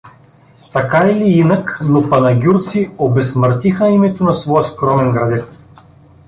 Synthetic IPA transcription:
t̪akailiinəknopɐnɐɡʲuɾt̪siobɛsməɾt̪ixəimɛt̪onɐsvɔjəskɾɔmɛnɡɾɐd̪ɛt̪s

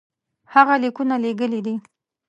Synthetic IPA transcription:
haɣalikunaleɡəlid̪i

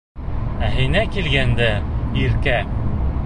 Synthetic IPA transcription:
æɦɘjnækilɡænd̪æiɾkæ

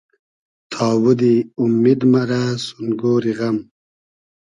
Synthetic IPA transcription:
t̪ʰɑːwud̪iumːid̪mɐɾasunɡoːɾiɣɐm

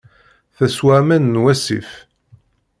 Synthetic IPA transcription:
θæswæmænːwæsḭf

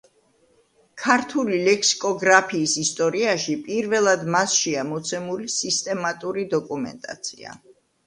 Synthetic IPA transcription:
kʰaɾt̪ʰulilɛkʰsi̥kʼɔɡɾapʰiːsist̪ʼɔɾiaʃipʼiɾvɛlˠad̪masʃɛamɔt̪sʰɛmulisist̪ʼɛmat̪ʼuɾid̪ɔkʼumɛ̰nt̪ʼa̰t̪sʰḭa̰

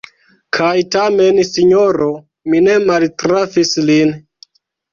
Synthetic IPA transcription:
kʰajtame̞nsiɲoɾo | mine̞maltɾafislin

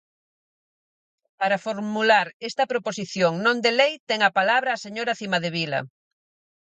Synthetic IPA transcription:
paɾafoɾmulaɾest̪ɐpɾoposiθjoŋnõnd̪elejt̪ɛŋɐpalaβɾɐːseɲoɾaθimɐðeβilɐ̰

